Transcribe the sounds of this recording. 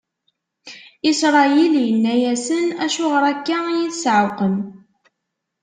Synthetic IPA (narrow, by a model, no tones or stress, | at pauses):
isɾˤɑjiljənːæjæsənæʃʊʁəɾˤækːajiθsʕəwqən